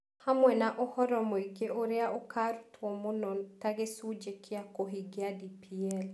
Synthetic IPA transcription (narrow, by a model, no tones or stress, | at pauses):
hamwɛnaʔohɔɾɔmɔiɡeʔoɾeaʔokʰaɾutwɔmonɔntaɡesud͡ʒekɪakoɦiɡeadipʰiɛl